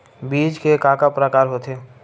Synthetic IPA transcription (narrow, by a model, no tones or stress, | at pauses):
biːd͡ʒkekaːkapɾəkaːɾɦoːt̪ʰe